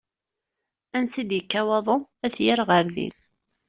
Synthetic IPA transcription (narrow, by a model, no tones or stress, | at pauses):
ænsid̪jəkːæwɑðˤoæθjɪɾʁəɾðḭn